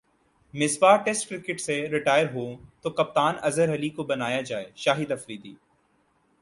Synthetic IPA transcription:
mɪsbaːʈɛːsʈkɾɪkɪʈseɾɪʈaːjəɾɦoːt̪okɐp̚t̪aːnɐzəɾɦɐlikobɐnaːjad͡ʒaːḛːʃaːɦɪd̪ɐfɾiːd̪ḭː

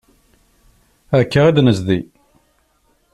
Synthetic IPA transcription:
ækːaʁid̪nəzði

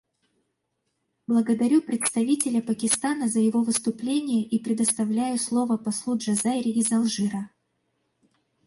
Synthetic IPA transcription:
blˠəɡəd̪ɐɾʲupɾʲɪt̪st̪ɐvʲitʲɪlʲəpəkʲɪst̪anəzəjɪvo̞vɨst̪ʊplʲenʲɪjəʔipɾʲɪd̪əst̪ɐvlʲæjʊslˠo̞vəpɐslˠudʐɐzaɪɾʲɪɪzɐlˠʐɨɾə

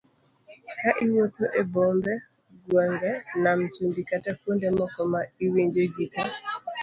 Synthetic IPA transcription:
kaʔɪwot̪oʔebombɛ | ɡwaŋɡɛnamt͡ʃumbikatakwondemɔkɔmaiweɲd͡ʒod͡ʒika

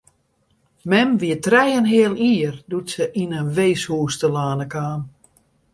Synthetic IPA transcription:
mɛmʋiətrɛjənɦɪəlˠiːərdutsəʔinənʋeːshuːstəlaːnəkaːn

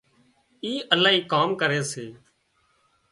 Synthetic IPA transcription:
iːʔəlaːɦiːkaːmkəɾeːseː

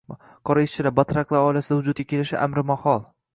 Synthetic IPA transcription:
qʰɒɾaɪʃt͡ʃʰːɪlaɾbat̪ɾaklˠaɾɒɪlasɪd̪ahʊd͡ʒʊd̪̚ɡʲḁkʲʰe̞lɪʃɪ̰ʔa̰mɾɪmahɒlˠ

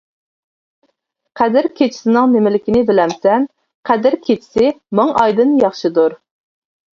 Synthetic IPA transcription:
qʰæd̪ɪɾkʲʰet͡ʃʰɪ̥sɪnɪŋmɪmɪlɪkʲɪnɪbɪlɛmsɛn | qʰæd̪ɪɾkʲʰet͡ʃʰɪ̥sɪmɨŋɑjd̪ɨnjɑχʃɨd̪uɾ

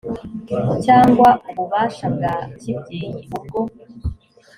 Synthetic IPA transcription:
caːŋɡwauβuβaːʃab̚ɡacibɟiːɲiβub̚ɡo

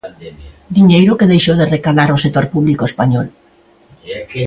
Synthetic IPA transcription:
d̪iɲejɾokeðejʃoð̞erekalaɾosek̚t̪oɾpuβlikoespaɲol

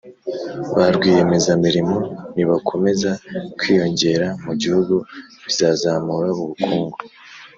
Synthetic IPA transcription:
βaɾɡwiːje̞me̞zamiɾimo̞niβakʰo̞me̞zakwiːjo̞ɲɟe̞ɾamuɟihuɡuβizazamuɾaβuβukuːŋɡo

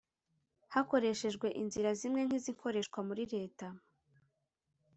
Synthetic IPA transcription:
hako̞ɾe̞ʃe̞ʒɡwe̞ʔinziɾazimŋe̞ŋ̥hiziŋkʰo̞ɾeʃkwamuɾiɾe̞ːta

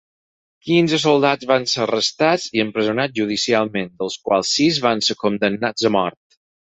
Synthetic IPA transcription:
kinzəsolˠd̪azβanserəst̪ad͡ziəmpɾəzunaʒuð̞isialˠmẽnd̪əlˠskwa̰lˠsːizβanseɾkund̪ənːad͡zəmɔɾt̪

